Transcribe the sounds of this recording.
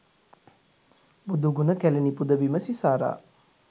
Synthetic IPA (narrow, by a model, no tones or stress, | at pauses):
bud̪uɡunəkælenipud̪əʋiməsisaːɾa̰ː